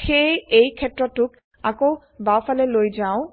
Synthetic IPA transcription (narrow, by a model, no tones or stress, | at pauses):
xejejkʰɛtɹɔtːʊk | ako | bawpʰalɛlojzaʊ̃